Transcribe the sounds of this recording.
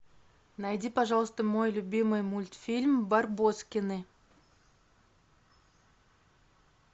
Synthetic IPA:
najdʲipɐʐɑlˠəst̪əmo̞jlʲʊbʲimɨjmulʲt̪fʲilʲmbarboskʲɪnɨ

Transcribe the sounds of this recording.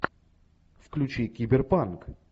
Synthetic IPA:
fklʲʉt͡ɕikʲibʲɪrpank

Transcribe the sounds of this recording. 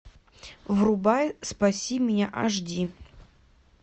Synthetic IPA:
vrubajspasʲimʲɪnʲaʔaʐdʲi

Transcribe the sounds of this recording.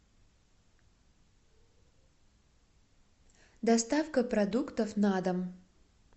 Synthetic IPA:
d̪ɐst̪afkəpɾɐd̪ukt̪əfnad̪ɐm

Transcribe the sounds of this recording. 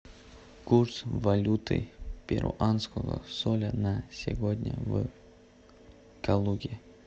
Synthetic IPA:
kursvɐlʲut̪ɨ̰pʲɪɾʔʊ̰ʔanskəɣə̰solʲənasʲɪvod̪ʲnʲə̰v | kalˠuɡʲɪ

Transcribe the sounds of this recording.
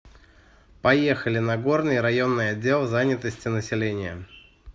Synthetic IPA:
pɐje̞xəlʲɪnɐɡo̞rnɨjɾɐjo̞nːɨjɐdʲːe̞lˠzanʲɪt̪əsʲtʲɪnəsʲɪlʲenʲɪjə̰

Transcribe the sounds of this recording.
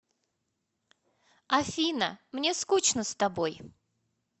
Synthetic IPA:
ɐfʲinə̰mnʲe̞skut͡ɕnəst̪ɐbo̞j

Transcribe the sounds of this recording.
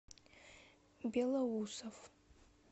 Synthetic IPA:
bʲelawusof

